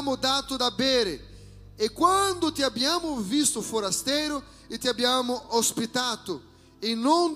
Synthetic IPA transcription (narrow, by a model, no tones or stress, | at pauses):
mʊd̪at̪ʊd̪abeɾɪ | ekwãnd̪ʊt̪iabiamʊvist̪ʊfoɾast̪ɛjɾʊ | ɪt̪iabiamʊʔospit̪at̪ʊ | ɪnõŋ